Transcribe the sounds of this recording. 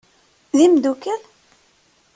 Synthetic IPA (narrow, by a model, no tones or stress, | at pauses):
ðimd̪ukːæl